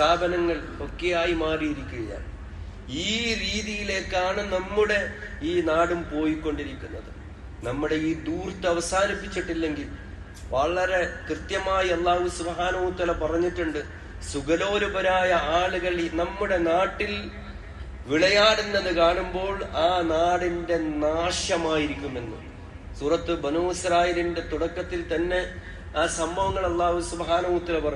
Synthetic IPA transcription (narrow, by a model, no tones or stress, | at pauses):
aːbɐnɐŋːɐɭ | o̞kːejaːjimaːrijiɾikʲːuɣɐja̰ːɳ | iːɾiːðijile̞ːkːaːɳɨnɐmːuɽe̞iːnaːɽumpo̞ːjikːo̞ɳɖiɾikʲːunːɐðɨ | nɐmːuɽe̞iːd̪uːrt̪ːɨɐʋɐsaːnipːit͡ɕːiʈːilːe̞ŋɡil | ʋɐɭɐɾe̞krɨt̪jɐmaːjiɐlˠːaːhusubɦaːnɐhuut̪aːlapɐrɐɲːiʈːuɳɖɨ | suɣɐlo̞ːɾubɐɾaːjɐaːluɣɐɭinɐmːuɽe̞naːʈːil | ʋiɭɐjaːɽe̞nːe̞nːɨkaːɳumbo̞ːɭaːnaːɽinde̞naːʂjɐmaːjiɾikʲːume̞nːṵ | suːrɐt̪ːɨbɐnoːisɐɾaːjilinde̞t̪uɽɐkːɐt̪ːilt̪ɐnːe̞ | aːsɐmbʱɐʋɐŋːɐɭɐlˠːaːhusubɦaːnɐɦuɐt̪ːaːlɐpɐrɐɲ